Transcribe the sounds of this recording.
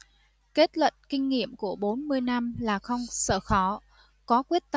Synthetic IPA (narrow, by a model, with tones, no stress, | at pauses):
ke˦˥t̚lwə̰˧˨nkï˧ŋ̟ŋḭ˧˨əmku˧˩əɓo˨˦nmɨ˧əjna˧mlaː˨˩xə˧wŋ͡msəː˧˩xɔ˨˦ | kɔ˨˦kwi˦˥ət̚t̪